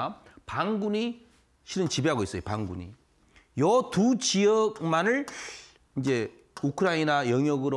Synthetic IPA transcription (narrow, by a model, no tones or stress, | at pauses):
paŋɡuɲi | ɕʰiɾɯnt͡ɕibeɦaɡois͈ʌjopaŋɡuɲḭ | jʌtut͡ɕiʌk̚manɯɭ | ind͡ʑe̞ | ukʰɯɾainajʌŋjʌɡɯɾo